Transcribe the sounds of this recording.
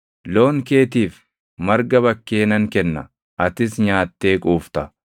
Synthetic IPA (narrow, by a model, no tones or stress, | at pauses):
lo̞ːŋke̞ːt̪iːf | mɐɾɡɐβɐkːe̞ːnɐŋkɛnːɐ | ʔɐt̪ɪsɲaːt̪ːe̞ːkʼuːft̪ɐ